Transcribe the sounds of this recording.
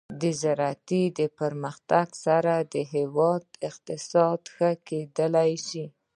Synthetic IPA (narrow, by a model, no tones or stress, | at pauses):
d̪əzaɾat̪id̪əpəɾməxt̪aɡsaɾad̪əɦewɑd̪ɪqt̪ɪsɑd̪xəked̪əlajʃi